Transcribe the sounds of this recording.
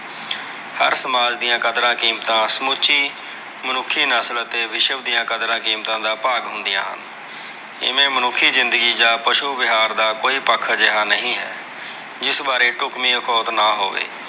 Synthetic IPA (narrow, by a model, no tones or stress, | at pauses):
hə̰ɾsəmaːd͡ʒd̪ijãːkəd̪ɾãːkiːmt̪ãːsəmʊt͡ʃiː | mənʊkʰːiːnəːsələt̪eːʋɪʃəbd̪ijãːkəd̪ɾãːkiːmt̪ãːd̪aːpaːɡɦʊ̃nd̪ɪjãːɦə̰n | ɪ̰mẽːmənʊkʰːiːzɪnd̪əɡiːd͡ʒaːpəʃuːbɪɦaːɾd̪aːkoːiːpəkʰːd͡ʒəɦaːnəɦĩːɦɛː | d͡ʒɪsbaːɾeːʈʊkmiːəkʰɔːt̪naːɦo̰ːʋḛː